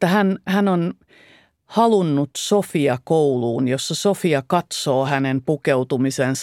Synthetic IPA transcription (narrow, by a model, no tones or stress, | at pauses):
t̪ːæhænhænon | hɑlunːut̪sofiɑkouluːnjosːɑsofiɑkɑt̪soːhænempukeut̪umisens